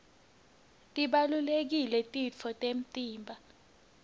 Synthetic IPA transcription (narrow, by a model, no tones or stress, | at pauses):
tʼiɓalulek̬ilɛtʼit͡fʰɔtʼem̩tʼiːmbʱa